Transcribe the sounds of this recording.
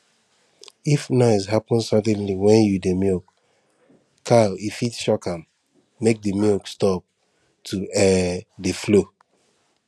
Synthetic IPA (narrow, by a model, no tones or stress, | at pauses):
ifnaɪsɦapɔ̃nsadɛ̃nliwɛ̃njudemjɔk | kʰːaifitʃɔkãmː | ek̚dəmjɔkstɔp̚ | tʰuɛdeflo